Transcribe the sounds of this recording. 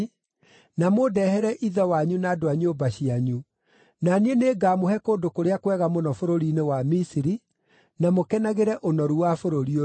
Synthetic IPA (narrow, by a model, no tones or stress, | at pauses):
namodɛhɛɾɛʔiðɛwaɲunaːdoaɲobaɕiaɲu | nanieneːɡaːmohɛkoːndokoɾeakwɛɣamonɔfoɾoɾinewamisiɾi | namokɛnaɣeɾɛʔonɔɾuwafoɾoɾio